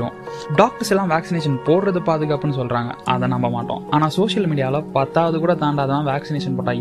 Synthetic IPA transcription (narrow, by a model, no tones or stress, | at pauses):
õ̰ː | ɖaːk̚ʈɐɾsɛlːãːʋaːksɪneːʂɐnpoːɽɾɐðɯpaːðɯɣɐpːɐnːɯs̬ɔlːɾãːŋɡɐ̰ʔɐ̰ðɐ̃nɐmbɐmaːʈːõ̰ːaːnaːsoːʂɪjɐlmiːɽɪjaːlɐpɐt̪ːaːʋɐðɯkuːɽɐt̪aːɳɖaːɐðɐlːãːʋaːksɪneːʂɐnpoːʈːãː